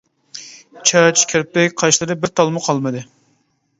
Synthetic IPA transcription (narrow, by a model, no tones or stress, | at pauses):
t͡ʃʰɑt͡ʃkʲʰeɾp̚t̪ɪkʲqʰɑjʃlˠɨɾɨbɪɾt̪ʰɑlˠmɨqʰɑlˠmɨd̪ɨ